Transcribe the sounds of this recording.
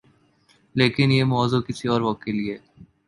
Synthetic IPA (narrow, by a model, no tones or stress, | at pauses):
leːkɪnjemɔːzokɪsiɔːɾʋɔːkːelieː